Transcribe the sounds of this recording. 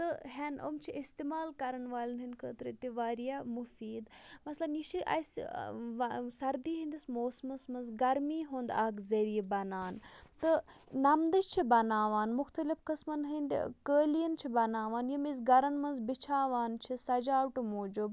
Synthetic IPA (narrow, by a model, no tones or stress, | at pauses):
t̪ɨɦɐno̰mt͡ʃʰiʔist̪imaːlkɐɾɐnʋaːlɐnɦinʲkʰəːt̪ɾt̪iʋaːɾijamufiːd̪mɐslɐnjiʃʰiʔɐ̰sʋsɐɾd̪iːɦĩnd̪ismoːsmɐsmɐnzɡɐɾmiːɦoːnd̪aːkzɐɾiːbɐnaːnt̪ɨ | nɐmd̪ɐʃt͡ʃʰibɐnaːʋaːnmʊxt̪ɐlifkɐsmɐnɦind̪̰ʲkəːlijɐnt͡ʃʰibɐnaːʋaːnjimiz̬ɡɐɾɐnmɐnzbit͡ʃʰaːʋaːnt͡ʃʰisɐd͡ʒaːwʈmoːd͡ʒub